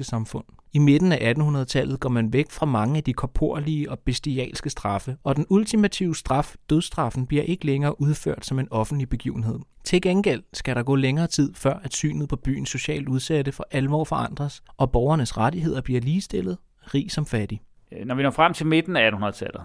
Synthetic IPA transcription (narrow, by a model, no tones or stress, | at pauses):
əsɑ̈mfɔ̽n̰ime̝d̥n̩æʔæd̥n̩hunɐð̞̩ˠt͡sʰælð̩ˠɡ̥ɒ̰mænʋeɡ̥fʁɑ̈mɑ̈ŋəæd̥ikʰɒ̽pʰo̝ɐ̰liəɒ̽b̥e̝sd̥iɛ̰ːlsɡ̥əsd̥ʁɑ̈fəɒ̽d̥enult͡sʰimæt͡sʰiʊsd̥ʁɑ̈fd̥øð̞ˠsd̥ʁɑ̈fn̩b̥liɐʔe̝ɡ̥əleŋɐːʔuð̞ˠfø̰ɐ̰d̥sɒ̽me̝nɒ̽fn̩d̥lib̥e̝ɡ̥ḭːʊn̩ɦe̝ð̰ˠ | t͡sʰe̝lɡ̥enɡ̥el̰sɡ̥æɾɑ̈ɡ̥ɔ̰ːleŋɐːt͡sʰið̞̰ˠfɶɐ̰æd̥sy̰ːnð̩ˠpʰɒ̽b̥y̰ːn̩so̝ɕɛ̰ːld̥uð̞ˠsæɾ̥əfɒ̽ʔælʋɒ̰ːfɒ̽ʔɑ̈n̰d̥ʁɐsʔɒ̽b̥ɒʊɐnəsʁadiɦe̝ð̞̰ˠɐb̥liɐ̰liːsd̥e̝l̰ð̞̩ˠ | ʁḭːsɒ̽mfæd̥i | nɒʋinɒ̰ːfʁam̰t͡sʰe̝lme̝d̥n̩ææd̥n̩hunɐðˠt͡sʰælð̩ˠ